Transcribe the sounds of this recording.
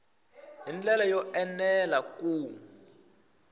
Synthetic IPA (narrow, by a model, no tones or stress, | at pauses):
ɦind͡ɮɛlajɔʔɛnɛlaku